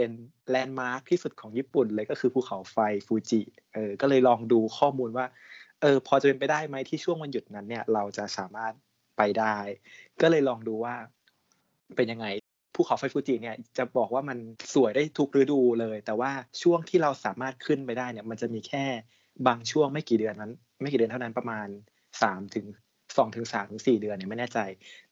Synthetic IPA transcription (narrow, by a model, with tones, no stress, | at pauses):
pe˧n | lɛː˧nmaː˦˥k̚t̪ʰiː˥˩su˨˩t̪̚kʰɔː˩˦ŋjiː˥˩pu˨˩nlɤː˧jkɔː˥˩kʰɯː˧pʰuː˥˩kʰa˩˦wfa˧jfuː˧t͡ɕi˨˩ | ʔɤː˧kɔː˥˩lɤː˧jlɔː˧ŋduː˧kʰɔː˥˩muː˧nwaː˥˩ | ʔɤː˧pʰɔ˧t͡ɕa˨˩pe˧npa˧jdaː˥˩jma˦˥jt̪ʰiː˥˩t͡ɕʰu˥˩əŋwa˧nju˨˩t̪̚na˦˥nːi˥˩ɐɾa˧wt͡ɕa˨˩saː˩˦maː˥˩t̪̚ | pa˧jdaː˥˩jkɔː˥˩lɤː˧jlɔː˧ŋduː˧waː˥˩ | pe˧nja˧ŋːa˧j | pʰuː˥˩kʰa˨˦wfa˧jfuː˧˩t͡ɕiː˧˩ni˥˩ɐt͡ɕa˨˩bɔː˨˩k̚waː˥˩ma˧nsu˨˩˦əjdaː˥˩jt̪ʰu˦˥k̚ɾɯː˨˦˥duː˧lɤː˧jt̪ɛː˨˩waː˥˩t͡ɕʰu˥˩əŋt̪ʰiː˥˩ɾa˧wsaː˩˦maː˥˩t̪̚kʰɯ˥˩npa˧jdaː˥˩jni˥˩ɐma˧nt͡ɕa˨˩miː˧kʰɛː˥˩ | baː˧ŋt͡ɕʰu˥˩əŋma˥˩kiː˨˩dɯ˧ənːa˦˥n | m˥˩kiː˨˩dɯ˧nt̪ʰna˦˥npɾa˧maː˧n | saː˩˦mt̪ʰɯ˩˦ŋ | sɔː˩˦ŋt̪ʰɯ˩˦ŋsaː˩˦mt̪ɯ˩˦siː˨˩dɯ˧ənːi˥˩ma˥˩jnɛː˥˩t͡ɕa˧j